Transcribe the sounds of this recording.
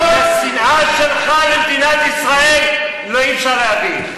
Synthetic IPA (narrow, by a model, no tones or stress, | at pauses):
asinʔaʃelχajemd̪inat̪isʁaelː | oifʃaʁeabi